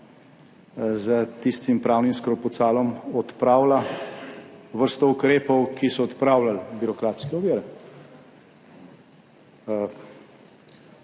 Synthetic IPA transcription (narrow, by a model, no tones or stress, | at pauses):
zət̪ist̪impɾaːwnimskɾɔpɔt̪saːlɔmɔt̪pɾaːwla | ʋəɾst̪ɔukɾeːpɔwkisɔːt̪pɾaːwlalbiɾɔkɾaːt̪skɛɔʋiːɾɛ